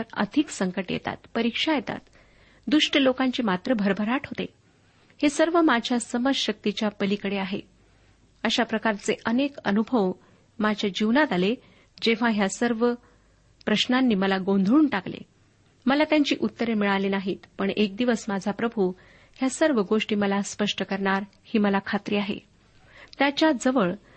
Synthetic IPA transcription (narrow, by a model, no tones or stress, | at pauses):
əɾə̰d̪ʱiksəŋkəʈjḛt̪a̰t̪pəɾikʂajet̪a̰t̪ | d̪uʂʈəlokãɲt͡ɕiːmat̪ɾəbʱəɾbʱəɾaʈʰɦot̪e | hesəɾʋəmad͡ʑʱjasəməd͡ʑɕək̚t̪it͡ɕjapəlikəɽeaɦḛ | əɕapɾəkaɾt͡seʔənekənubʱəʋ | mad͡ʑʱjad͡ʑiʋnat̪ale | d͡ʑeʋ̤ãɦjasəɾʋə | pɾəɕnanːiːməlaɡond̪ʱɾuːɳʈaklḛ | məlat̪jaɲt͡ɕḭːʔut̪ːəɾemiɭalenaɦiːt̪pəɳek̚d̪iʋəsmad͡zʱapɾəbʱu | hjasəɾʋəɡoʂʈiːməlaspəʂʈəkəɾɳaɾ | hiːməlakʰat̪ɾiːaɦḛ | t̪jat͡ɕjad͡zəʋəɭ